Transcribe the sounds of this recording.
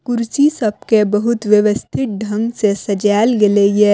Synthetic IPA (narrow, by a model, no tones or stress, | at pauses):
kʊɾsisɐb̚kebɐɦʊt̪ʋjɐʋəst̪ʰɪt̪̚ɖʱɐ̃ŋɡsesɐd͡ʒaːlɡeleje